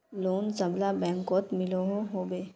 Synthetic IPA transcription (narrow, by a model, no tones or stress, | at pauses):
loːnsɐblabɛ̃ːŋkɔːt̪mɪloɦoɦoːbeː